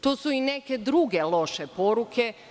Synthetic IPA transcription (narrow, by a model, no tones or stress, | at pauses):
t̪oːsuineke̞d̪ɾuɡelˠo̞ʃepo̞ɾuke̞